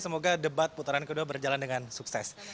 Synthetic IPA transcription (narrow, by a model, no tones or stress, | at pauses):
səmoɡadəbat̪̚put̪aɾankəduabərd͡ʒalandəŋansuksɛs